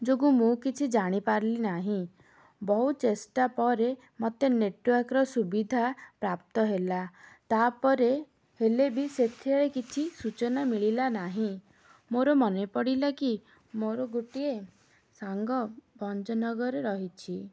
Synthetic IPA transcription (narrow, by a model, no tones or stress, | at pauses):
d͡ʒoɡũmũkit͡ʃʰid͡ʒaɽ̃ipaɾlinaɦĩ | bɔɦut͡ʃesʈapɔɾe | mɔt̪eneʈwɔɾkɔɾɔsubid̪ʱapɾap̚t̪ɔɦelat̪apɔɾe | helebiset̪ʰeɭekit͡ʃʰisut͡ʃɔnamiɭilanaɦĩ | moɾɔmɔnepɔɽilaki | moɾɔɡuʈie | saŋɡɔbɔnd͡ʒɔnɔɡɔɾeɾɔɦit͡ʃʰi